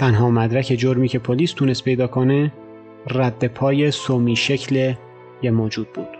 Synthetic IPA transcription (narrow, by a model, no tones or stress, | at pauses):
t̪ʰænɦɒːmæd̪ɾæcʰe̞d͡ʒoɾmiːcʰe̞pʰoliːst̪ʰuːnest̪̚pʰe̞jd̪ɒːkʰo̞ne | ræd̪ːe̞pʰɒːje̞somiːʃe̞cʰle | jemoːd͡ʒuːd̪̚buːd̪̥